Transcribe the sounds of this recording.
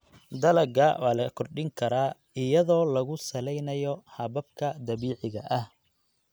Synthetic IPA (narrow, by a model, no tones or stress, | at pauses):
d̪ɐlɐɡɐwaːlɐkʰɔrɖɪŋkʰɐɾaː | ɪjɐðɔːlɐɣʊsɐlɛjnɐjɔhɐβɐb̚kʰɐd̪ɐβiːʕɪɣɐ̰ʔɐh